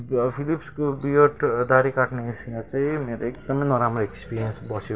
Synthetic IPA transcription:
pʰilipskobijoʈd̪aɾikaʈneisinat͡saĩmeɾoek̚d̪ʌmʌjnʌɾamroekspiɾijʌnsbʌsjo

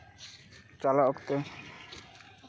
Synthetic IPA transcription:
t͡ɕalaokt̪e

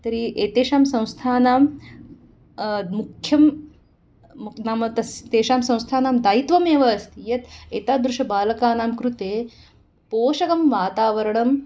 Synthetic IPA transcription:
t̪ɐɾiʔeːt̪eːʃaːmsɐ̃w̃st̪ʰaːnaːm | mukʰjɐm | naːmt̪ɐst̪eːʃaːmsɐ̃w̃st̪ʰaːnaːmd̪aːit̪ʋɐmeːʋɐst̪jɐt̪eːt̪aːd̪ɾuʂɐbaːlɐkaːnaːmkɾut̪eː | poːʃɐkɐmʋaːt̪aːʋɐɾɳɐm

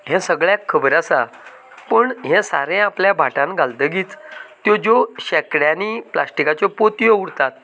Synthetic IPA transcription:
ɦɛ̃səɡɭjakʰːəbəɾasa | pəɳɦɛ̃sa̰ɾɛ̃apljabʱaʈãnɡald̪əɡiːt͡st̪ːjɔd͡ʑoɕɛkɽjanipla̰sʈikat͡ɕɔpot̪ijouɽt̪at̪̚

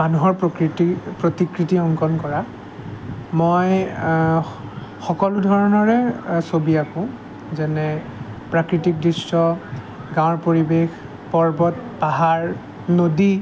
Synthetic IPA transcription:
manuɦɔɹpkɹitipɹotikɹitiɔŋkɔnkɔɹa | mɔj | xɔkɔlʊdʱɔɹɔnɔɹɛsobiakʊ̃ | zɛnɛpɹakɹitik̚dɹistɔ | ɡãw̃ɔɹpoɹibex | pɔɹbɔt̚paɦaɹ | nodi

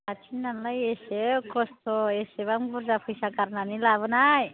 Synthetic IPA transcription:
at͡ʃʰinːanlajesekʰɔst̪oeseβaŋbuɾd͡ʒapʰujsakaɾnanilaβɯnaj

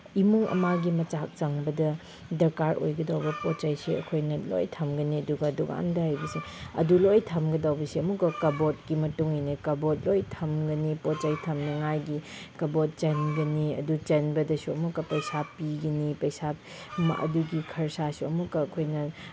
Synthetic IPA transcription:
imuŋɐ̰maɡimɐt͡ʃak̚t͡ʃɐŋbɐdɐ | dɐɾkaɾʔo̰jɡɐdawbɐpot͡ʃajsiɐ̰kʰojnɐlo̰jtʰɐmɡɐniɐduɡɐɐduɡa̰ndɐhajbɐsiɐ̰dulojtʰɐmɡɐdawbɐsiɐmukːɐkɐbot̚kimɐtuŋinikɐbot̚lojtʰɐmɡɐnipot̚t͡ʃajtʰɐmnɐŋajɡikɐbot̚t͡ʃɐnɡɐniɐ̰dut͡ʃɐnbɐdɐsuɐ̰mukːɐpɐjsapiɡɐnipɐjsa | mɐ̰duɡikʰɐɾsasuɐmukːɐːkʰojnɐ

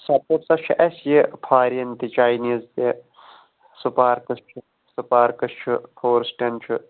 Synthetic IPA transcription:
sɐpopsɐt͡ʃʰiʔɐsjipʰaːɾɐnt̪it͡ʃaːjniːzt̪e | sɨpaːɾkɨst͡ʃʰɨ | sɨpaːɾkɨst͡ʃʰupʰoːɾsʈʲɐnt͡ʃʰɨ

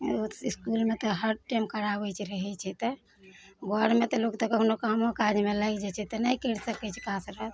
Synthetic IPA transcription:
iskulmet̪ɔɦəɖʈəmkəɾabət͡ʃʰɾəɦɛt͡ʃʰɛt̪ɔ | ɡaɽmet̪ɔlokt̪ɔkəkʰnokamokad͡ʒmeləɡd͡ʒɛt͡ʃʰɛt̪ənəjkəɾsəkɛt͡ʃʰɛ̥kasɾət̪

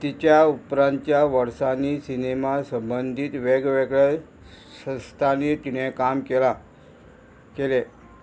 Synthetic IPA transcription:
t̪it͡ɕjaupɾãnt̪jaʋəɾsanisinemasəmbənd̪ʱiːt̪ʋeɡʋeɡɭe | sə̃st̪ʰaniːt̪iɽ̤ekamkela | kele

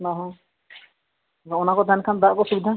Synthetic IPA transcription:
nɔɦɔ̃ | ɔɔnakɔd̪ʱankʰand̪aʔkɔsubid̪ʱa

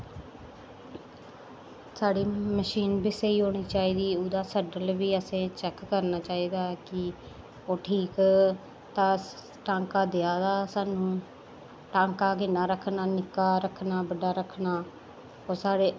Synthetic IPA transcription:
saːɽiːməʃiːnbiːseːiːɦoːɽ̃iːt͡ʃaːiːd̪iːʊd̪aːsəɖəlʋiːəsẽːt͡ʃɛkːəɾnaːt͡ʃaːiːd̪aːkɪ | oːʈʰiːk | t̪ãː | ʈãːŋkaːd̪ejaːd̪aːsaːnũː | ʈãːŋkaːkɪnaːɾəkʰnaːnɪkaːɾəkʰːnaːbəɖaːɾəkʰnaː | oːsaːɽeː

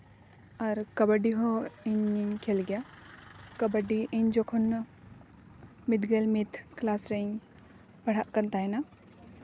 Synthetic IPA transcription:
aɾkɐbəɖiɦɔiɲiɲkʰelɡja | kɐbəɖiʔiɲd͡ʒɔkʰɔn | mit̪ɡəlmit̪klasɾeɲ | pɐɽaʔkənt̪ajna

